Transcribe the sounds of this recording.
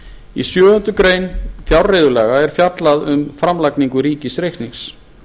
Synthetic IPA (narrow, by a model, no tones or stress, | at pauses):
ḭsjœːɣʏnt̪ʏkɾeːjnfjawrrejðʏlɛːɣaɛɾ̥fjat̪laðʏmfɾamlakniŋkʏɾiːcɪsɾejht̪niŋs